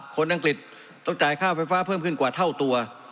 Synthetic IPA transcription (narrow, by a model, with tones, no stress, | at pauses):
kʰo˧˥nʔa˧ŋkli˨˩t̪̚ː | ɔ˥˩t͡ɕaː˨˩jkʰaː˥˩fa˧˥jfaː˦˥˩pʰɤː˥˩mkʰɯ˥˩nkwaː˨˩t̪ʰa˥˩wt̪u˧ɐ